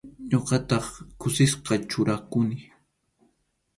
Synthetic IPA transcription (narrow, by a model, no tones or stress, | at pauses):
ɲoqɑt̪ɑχkʊsɪsqɑt͡ʃʊɾakʊnɪ